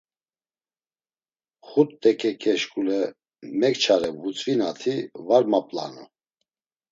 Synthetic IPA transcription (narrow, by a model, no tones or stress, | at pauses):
χut̪ːɛkʼɛkʼɛʃkʼulɛ | mɛkt͡ʃʰaɾɛvut͡sʼvinat̪ʰivaɾmapʼla̰nṵ